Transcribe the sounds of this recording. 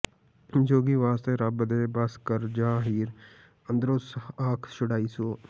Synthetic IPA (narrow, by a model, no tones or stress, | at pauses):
d͡ʒoːɡiːʋaːst̪eɾɐbəd̪eːbɐskəɾd͡ʒaːɦiːɾ | ə̃nd̪ɾoːsaːkʰʃʊɽaːisoː